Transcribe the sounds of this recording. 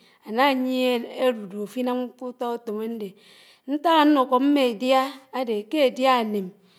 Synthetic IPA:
a˨na˦˨ɲi˦e˦e˦ɾu˨do˨fi˦na˦m˦ku˦tɔ˦o˦to˨me˦n̩˦de˨ | n̩˦ta˦ɣa˨n̩˦no˨ko˨m̩˦me˦˨dja˦a˦de˨ke˦e˨dja˦e˨ne˨m

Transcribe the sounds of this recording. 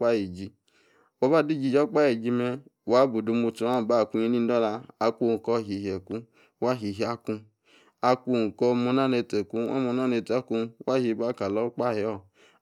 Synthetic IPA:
k͡pa˦ji˨d͡ʒi˧ | wɔ˨˦ba˦di˦˨d͡ʒi˧˨d͡ʒɔ˦k͡pa˦ji˨d͡ʒi˧mɛ˧wa˨˦bu˨du˧mu˧tu˨˧˦a˦˨ba˦˨ku˧ɲi˧ni˦dɔ˦la˧a˧ku˧˨kɔ˧˨ɦi˨ɦi˨e˨ku˦ | wa˦ɦi˨ɦi˨˦a˦ku˧ | a˧ku˧˨kɔ˧mo˧na˦˨ne˧te˨ku˦ɔ̰˦mo˧na˦ne˧˨ta˦ku˧wa˦hi˧˨ba˦˨ka˨lɔ˦k͡pa˦˨hi˨ɔ˦˨

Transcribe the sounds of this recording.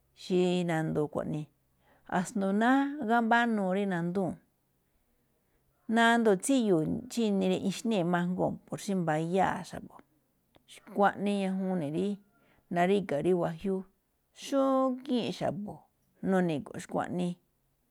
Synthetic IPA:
ʃi˧nã˧nd̪o˧kʷa̰˨nĩ˧ | a̰˨snd̪u˧nã˦ɣa˦mba˦nũː˧ɾi˦nã˧nd̪ũ˦˨ | nã˦˧nd̪o˧˨t͡si˦ju˨t͡ʃi˦nĩ˧ɾi˧ʔĩ˧ʃnẽ˦˨˧mã˧ŋɡo˦˧˨po˨ɾʃi˦mba˧ja˦˨ʃa̰˨βo˨ | ʃi̥˧kʷa˦ʔnĩ˧ɲã˧ɦũ˧˦nĩ˨ɾi˦ | nã˧ɾi˦ka˨ɾi˦wa˧ɦju˦ | ʃũ˦kĩ˦ʔʃa̰˨bo˨ | nũ˧nĩ˧˨ko̰˨˦ʃi̥˧˦kʷa̰˧ʔnĩ˧

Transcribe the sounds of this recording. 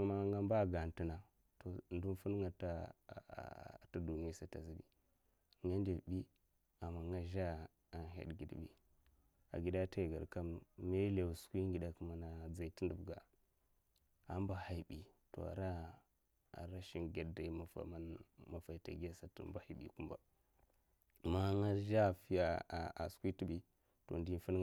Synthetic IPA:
ma˦ŋɡa˦mba˦˨ɡa˨nti˦na˨ | to˨ndu˦n˦fu˦n˦ŋɡa˨ta̰˦˨ | ta˦du˨ni˦a˦sa˨ta̰˨zi˦ɡi˨ | ŋɡa˦ndi˨bi˦ | a˨ma˨ŋɡa˦ʒa˦˨ | nɦa̰˨ɗɡi˨dbḭ˦ | a̰˨ɡi˨da˦ta˦˨ɡa˨ka˦mme˦le˨wu˨skʷi˦ŋ˦ɡi˨da˨ku˦ma˨na˨d͡za˨i˨ti˦ndu˨bɡa˨ | a˨m˦ba˨ha˨i˨bi˨to̰˨a̰˨ɾa˦ | a̰˨ɾa˦ʃi˦nɡa˨dda˨i˦ma˨fa̰˨ma˨ma˨fa˨i˨ta̰˨ɡa˦sa˨to̰˨mba˨ha˨ɓḭ˨ku˦mba̰˨ | ma˦ŋa˦ʒa˦˨fi˦ja˦˨a̰˨skʷi˦ti˦bi˦ | to̰˨ndi˦fu˦n

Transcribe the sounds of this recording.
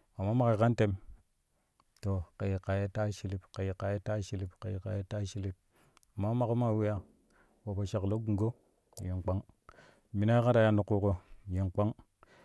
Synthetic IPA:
a˨mːa˦ma˨ke˨ka˦nte˦m | to˨ka˨ji˨ka˨ja˦ta˦ʃi˨li˦pka˨ji˨ka˨je˦ta˦ʃi˨li˦pka˨ji˨ka˨je˦ta˦ʃi˦li˦p̚ | a˨mːa˦ma˨ko˦ma˦˨we˦ja˦ | wa˨pa˨ʃa˨klo˦ɡu˨ɡo˦˨ | je˨ŋk͡pa˦ŋ | mi˨na˦ka˦ɾa˨ja˨nu˨kːu˨ko˨je˨ŋk͡pa˦ŋ

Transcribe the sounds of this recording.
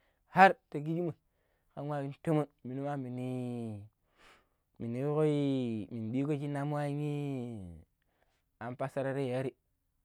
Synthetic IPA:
ha˦ɾte˨ɡi˦d͡ʒi˦mu˨ | ka˨˦wa˦wi˦n˦to˦mo˦nmi˨ni˦ma˦mi˨ni˦ | mi˨ni˨wo˦ko˦i˦mi˨n˨ɓi˦ko˦t͡ʃi˦na˦m˦a˦i˦ŋi˦ | a˨m˦pa˦sa˦ɾa˦ɾe˦˨a˦ɾi˦

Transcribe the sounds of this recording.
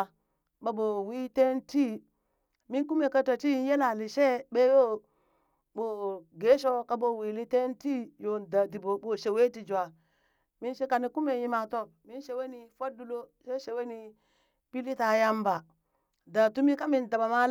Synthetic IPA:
ba˨bo˨wi˦te˦nti˦ | mi˦nku˦me˨ka˦ta˨ti˦n˦je˦la˨li˨ʃe˦ɓe˦jo˦ | ɓo˨ɡe˨˦ʃo˦ka˦bo˦˨wi˨li˦te˦n˦ti˦jo˨nda˨di˨bo˨bo˨ʃe˨we˦ti˨d͡ʒu˨a˨ | mi˦nʃe˦ka˨ni˨ku˦me˨ji˦ma˨to˦ | mi˦n˦ʃe˦we˦ni˨fo˦du˦lo˦ʃe˦ʃe˨we˦ni˨ | pi˦li˦ta˨ja˦mba˨ | da˨tu˦mi˦ka˦mi˨nda˨ba˨ma˦

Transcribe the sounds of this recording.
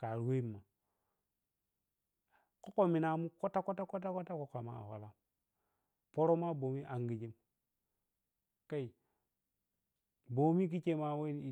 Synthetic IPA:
ka˨ɾwe˦mːa˨ | ko˦ko˨mi˨na˨mu˦ko˦ta˦ko˦ta˦ko˦ta˦ko˦ta˦ko˨ka˨ma̰˨a̰˨wa̰˨la˦m | po˦ɾo˦ma˦bo˨mi˦ʔa˨ŋɡi˨d͡ʒi˦m | ka˦i˨ | bo˨mi˦k̬i˦t͡ʃe˦ma˦we˦n˦

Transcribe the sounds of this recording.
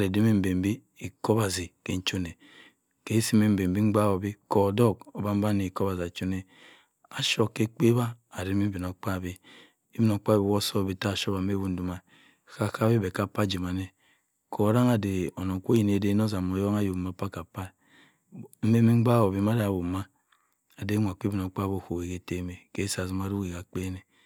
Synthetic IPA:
a˨ɾe˨di˦mi˦m̩˨be˨m˦bi˦ | i˨ko˦ba˨zi˨ke˨n̩˦t͡ʃo˦ne˨ | ke˨˦si˦me˦m̩˨be˨m˨bi˦ŋ͡m̩˦ɡ͡ba˦˨wo˨bi˦ko˨dɔ˦ko˨ba˦m̩˦ba˦ne˨i˨ko˦ba˨za˨t͡ʃo˦ne˨ | a˨ʃo˨kːe˦k͡pe˦βa˦a˨ɾi˦mi˦bi˨no˨k͡pa˦˨bi˦ | i˦bi˦no˨k͡pa˦wo˦so˦˨bi˦ta˦˨ʃo˦ba˨m̩˦e˦bu˦n̩˦du˦ma˨ | ka˨ka˦bi˦be˨ka˦˨pa˦d͡ʒi˨ma˨ne˦ | kʰo˨˦ɾa˦ŋa˨de˨o˨no˨ŋ˨kʷo˦ji˨ne˨˦de˦no˦za˨mo˨jo˦ŋa˦ju˨ma˨˦pa˦ka˨pa˦ | m̩˦me˦mi˦ŋ͡m̩˦ɡ͡ba˦wo˨bi˨ma˦da˨bu˨ma˦ | a˨de˦ŋʷ˨a˨kʷi˦bi˨no˨k͡pa˦bo˦˨ko˨e˨ke˨te˦me˨ke˨˦sa˨zi˦ma˨˦ɾu˦ke˨ka˨k͡pe˦ne˨

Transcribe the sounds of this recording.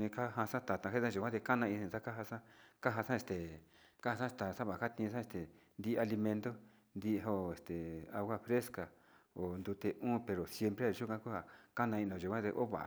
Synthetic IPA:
nĩ˧ka˦ɦã˧sã˦t̪a˨t̪ã˧he˦t̪ã˦˧ʒu˨kʷã˦t̪e˧ka˦nã˧ĩ˧nĩ˧˨sa˦ka˦ɦa˧sã˦ka˦ɦa˧sã˦e˧st̪e˨ | ka˦ha˧sã˦t̪a˨sã˦βa˨ka˦t̪ĩː˧s̬ã˦e˧st̪e˨nd̪i˦˧a˧li˧mẽ˧nd̪o˦ | nd̪i˧ɦo˧˨e˨st̪e˨a˧ɣʷa˦˧fɾe˦ska˨ | o˨nd̪u˧t̪e˧ʔũː˦pe˨ɾo˨sje˧mpɾe˦a˧ʒu˦kʷã˦ku˦ha˧˨ka˦nã˧ĩ˧nõ˨ʒu˨kʷã˦t̪e˧ʔo˦βa̰˨ʔa̰˨˧

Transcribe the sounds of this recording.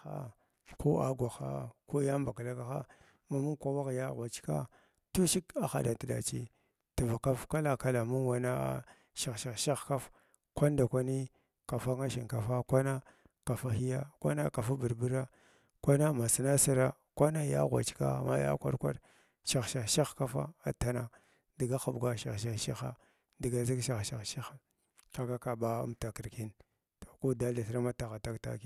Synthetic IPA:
a̰˦ | ko˦a˨ɡʷa˨xa̰˦ko˦ja˦mba˨ka˨la˦ka˦xa̰˦ | ma˨mu˦nkʷa˨wa˦ka˨ja˦ɣwa˨t͡ʃka̰˦ | tu˦ʃi˦ka˨xa̰˨da˨ti˨da̰˨t͡ʃḭ˦ | ti˨va˨ka˦fka˦la˨ka˦la˨mu˦nwa˨na̰˦ | ʃa˨ʃa˦˨ʃa˦xka˦f | kʷa˦n˦da˨kʷa˦ni˦ | ka˨fa˦ŋa˦ʃi˨ŋka˨fa˦kʷa˦na˦ | ka˨fa˦xi˦ja˦kʷa̰˦na˦ka˨fa˦bi˨ɾbi˦ɾa˦ | kʷa˦na˦ma˨si˨na˦si˦ɾa˦ | kʷa˦na˦ja̰˦ɣʷa̰˨t͡ʃka̰˦˨ma̰˦ja̰˦kʷa̰˦ɾkʷa̰˦ɾ | ʃa˨xʃa˨ʃi˦xka˦fa̰˦a˦ta˦na˨ | di˨ɡa˦xa˨bɡʷa˦ʃa˨ʃi˦ʃi˦xa̰˦ | di˨ɡa˨zi˦kʃa˨xʃa˨ʃi˦xa˨ | ka˨ka˦ka˨ba˦ṵ˦mta˨ki˨ɾki˦n | to̥˨ku˦da˦la˨sɾma˦ta˨ɣa˨ta˦kta̰˦ki˦

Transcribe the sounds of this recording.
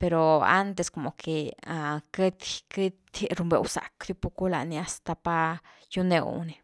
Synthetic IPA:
pe˧ɾo˨a̰˦nt̪e˧sko˨mo˨kʰe˨ake˦t̪ki˦t̪ɾu˧mbḛ˧wsa̰˨kd̪ju˧pu˧ku˦la̰˨ni˧a˦st̪a˧pa˧ | ju˧nḛ˧w̰ni˧

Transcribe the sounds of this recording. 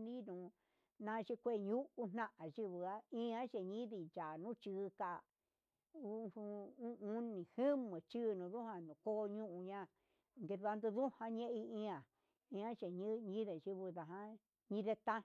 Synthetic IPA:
nĩ˦nũ˨ | nã˧ʃi˧˦kʷe˦˨ɲũ˦ʔu˧nnã˦ʔã˨ʒi˦βɨ˧a˦ĩ˦ã˦ʃe˨ɲĩ˦ði˧˨t͡ʃa˨nũ˦t͡ʃɨ˧ka˧˨ | u˦˧u˧ũ˦ũ˧˦nĩ˨hɨ˦mɨ̃˨t͡ʃɨ˦˧nũ˨ðu˦hã˧nũ˨ko˦˧ɲũ˦ʔũ˧ɲã˧˨ | ŋɡe˧ða˧nd̪u˧ðu˦hã˧ɲẽ˦ʔi˧ĩ˦ã˨ | ĩ˧ã˦ʃe˨ɲ˦ɲĩ˦ðe˨ʒi˧βɨ˧ða˨ɦã˦ | ɲĩ˦ðe˧t̪ã˦

